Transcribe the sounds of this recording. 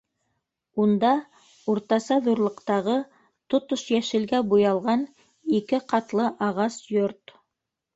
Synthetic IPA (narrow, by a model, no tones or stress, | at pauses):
und̪ɑ | uɾt̪ɑsɑðuɾlˠɤ̆qt̪ɑʁɤ | t̪ot̪oʃjæʃɘ̆lɡæbujɑlˠʁɑn | ikɘqɑt̪lˠɤʔɑʁɑsjoɾt̪